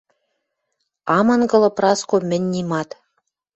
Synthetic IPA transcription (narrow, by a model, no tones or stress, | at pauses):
ɑmɤ̆nɡɤ̆lɤ̆prɑskomʲɘ̆nʲːimɑt̪